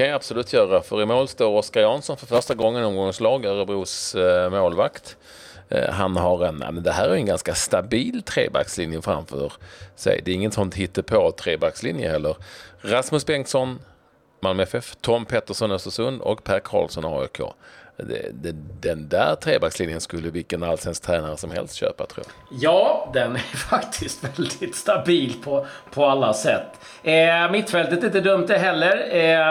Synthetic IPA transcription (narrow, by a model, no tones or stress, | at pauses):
kanjaab̥sʊlʉ̟ːt̪ʰjœːɾafœɾɪmoːlst̪oːɾɔskaɾjɑnsɔnfœɾfœʂʈaɡɔŋːənɔmɡɔŋslɑːɡæɾbɾuːsmoːlvakt̪ | ɦanɦaɾɛna̰mɛnd̪ɛɦæːɾæɾjʉɛnɡanskast̪abiːlt̪ʰɾḛːba̰kslɪnjəfɾa̰mfœ̰ɾsɛ̰jd̪ɛɾɪŋːət̪sɔnt̪hɪt̪ːəpʰɔt̪ʰɾeːbakslɪnjə̰hɛlːəɾɾasmɵsbɛŋksɔn | malmɛfɛft̪ʰɔmːpʰɛt̪ːəʂɔnœst̪əsɵnd̪ɔ̰kpʰæɾkʰɑ̰ːlsɔnɑ̰ːɛ̰kʰo̰ːd̪ɛ̰d̪ɛd̪ɛnd̪æːɾt̪ʰɾeːbakslɪnjənskɵlːəvɪlkənalsɛnst̪ʰɾɛːnaɾəsɔmhɛ̰lst̪ɕø̰ːpa̰t̪ʰɾo̰ː | jɑːd̪ɛnæɾfakt̪ʰɪst̪vɛld̪ɪt̪st̪abiːlpʰɔpʰɔalːasɛt̪ː | ɛmɪt̪ːfɛlt̪ət̪ɪnt̪əd̪ɵmt̪ɛɦɛlːəɾ